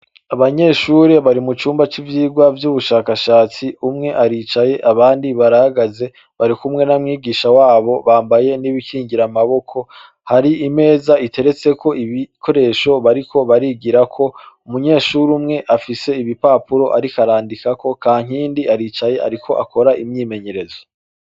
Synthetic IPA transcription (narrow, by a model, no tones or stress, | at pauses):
aβaɲe̞ːʃuːɾeβaɾimut͡ʃuːmbat͡ʃivjiːɡwavjuβuʃaːkaʃaːt͡siumŋe̞ʔaɾit͡ʃaje̞ʔaβaːndiβaɾahaɡaze̞ | βaɾikumŋe̞namŋiːɡiːʃawaːβo̞βaːmbaje̞niβikiːŋɟiɾamaβo̞kʰo̞ | haɾiime̞ːzaitʰe̞ɾe̞t͡se̞kʰo̞ʔiβikʰo̞ɾe̞ʃo̞βaɾiko̞βaɾiɡiɾakʰo̞umuɲe̞ːʃuɾumŋe̞ʔafise̞iβipapuɾo̞ʔaɾikaɾaːndikako̞kaːŋ̥iːndiaɾiːt͡ʃaje̞ʔa̰ɾikʰo̞ʔa̰ko̞ɾaʔimɲiːme̞ɲe̞ɾe̞zo